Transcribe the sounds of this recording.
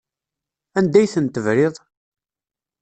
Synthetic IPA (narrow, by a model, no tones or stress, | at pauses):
ænd̪æjθənt̪əvɾɪðˤ